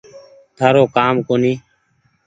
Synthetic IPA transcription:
t̪ʰaːɾoːkaːmkoːniː

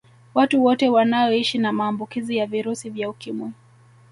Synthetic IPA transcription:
watuwɔtɛwanajɔiʃinamaːmbukizijaviɾusivjaukimwi

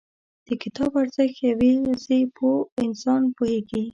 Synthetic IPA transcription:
d̪̥əkɪt̪ʰɑbaɾz̥ɪxjawezepʰoɪnsɑnpoheɡi

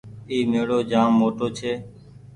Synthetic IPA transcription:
iːmeːɽoːd͡ʒaːmːoːʈoːt͡ʃʰeː

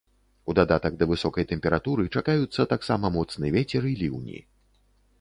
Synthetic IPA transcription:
ud̪ad̪at̪ɐɡd̪ɐvɨsɔkɐjt̪ɛmʲpʲɛɾat̪uɾɨt͡ʂakajut̪sːɐt̪aksamɐmɔt̪snɨjɛvʲet͡sʲɛɾɨilʲiwnʲḭ

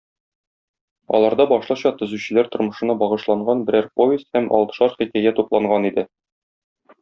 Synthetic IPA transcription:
ɒ̰lˠɑɾd̪ɑbɒʃlˠɤɕɑt̪ɵ̆zʉɕɘ̆læɾt̪ŏɾmɤ̆ʃɤ̆nɑbɒʁɤ̆ʃlˠɑɴɢɑnbɘ̆ɾæɾpovʲɪst̪hæmʔɒ̰lˠt̪ɤ̥̆ʃɑɾχikæjæt̪uplˠɑɴɢɑnid̪ɘ

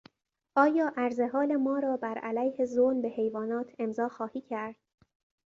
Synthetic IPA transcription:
ʔɒːjɒːʔæɾze̞ɦɒːle̞mɒːɾɒːbæɾʔælæjhe̞zonbe̞he̞jvɒːnɒːt̪ʰe̞mzɒːxɒːhiːcʰæɾd̪̥

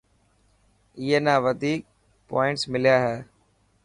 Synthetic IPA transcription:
ɪɦeːnaːʋəd̪ʱiːk̚ | pɔːɪ̃ɳʈsmɪljaːɦɛː

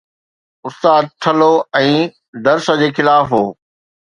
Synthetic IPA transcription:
ʊst̪aːd̪̚ʈ̪ʰɐloɛ̃ː | d̪ɐɾsə̆d͡ʑeːxɪlaːfɦoː

